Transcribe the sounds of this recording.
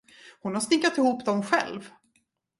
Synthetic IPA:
hʊnhasnɪkːat̪ɪhuːpd̪ɔmɧɛ̰lv

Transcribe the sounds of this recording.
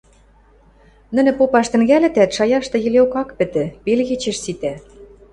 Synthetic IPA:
nɘ̆nɘ̆popɑʃt̪ɘ̆ŋɡælɘ̆t̪æt̪ʃɑjɑʃt̪ɤ̆jɘ̆leokɑkpɘ̆t̪ɘ̆pelɣet͡ɕɘ̆ʃsit̪æ

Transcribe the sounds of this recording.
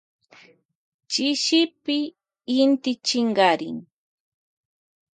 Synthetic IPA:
t͡ʃɪʃɪpɪː | nt̪ɪt͡ʃɪɴɢɑɾɪ̰ŋ

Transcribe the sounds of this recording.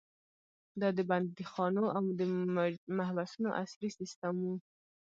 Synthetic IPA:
d̪ɑd̪əband̪d̪əxɑnoʔawd̪əmahbasunoʔaslisist̪amwu

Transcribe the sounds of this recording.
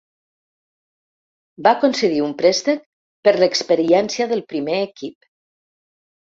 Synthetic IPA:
bakonsəð̞iumpɾɛst̪ək̚ | pəɾləkspəɾiɛnsjaðəlˠpɾimeːkip

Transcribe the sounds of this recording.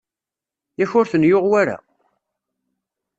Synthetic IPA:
jæçʊɾθənjoʁwaɾa̰

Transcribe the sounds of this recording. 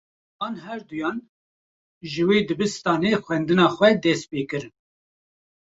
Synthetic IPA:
ɑːnɦɛɾd̪ujɑːn | ʒɨweːd̪ɨbɨst̪ɑːneːxʷɛnd̪ɨnɑːxwɛd̪ɛs̚peːkɨɾɨn

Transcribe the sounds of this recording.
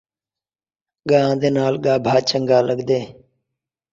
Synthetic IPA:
ɠãːd̪eːnaːlɠaːbʱaːt͡ʃəŋɡaːləɠd̪eː

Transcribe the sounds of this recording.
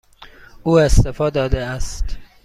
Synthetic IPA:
ʔuːest̪efɒːd̪ɒːd̪eæst̪

